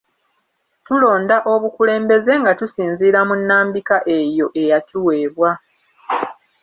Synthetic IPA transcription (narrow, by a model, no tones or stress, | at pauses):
tulo̞ːndaʔo̞βukule̞ːmbe̞ze̞ŋɡatusiːnziːɾamunːaːmbikaʔe̞jo̞ʔe̞jatuwe̞ːβwa